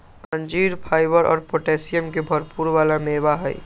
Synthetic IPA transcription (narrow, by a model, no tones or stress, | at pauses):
ə̃ɲd͡ʒiːɾpʰaːɪbəɾɔ̰ːɾpoːʈɛːsijəmkebʱəɾpuːɾʋaːlameːʋaɦɛi